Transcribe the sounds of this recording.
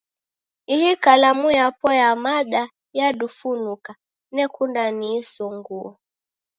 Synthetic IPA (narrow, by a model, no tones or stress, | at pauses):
ihikalamujapɔjamaɗa | jaɗufunuka | nɛkundaniːsɔŋɡuɔ